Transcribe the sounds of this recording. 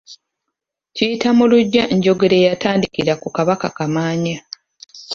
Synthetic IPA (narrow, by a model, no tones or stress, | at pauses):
cijitamuluɟːaʔeɲɟo̞ɡe̞ɾe̞jataːndikiɾakukaβakakamaːɲa